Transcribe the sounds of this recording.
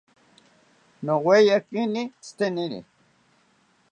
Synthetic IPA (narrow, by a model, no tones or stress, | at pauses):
nowwejakinist̪eninḭ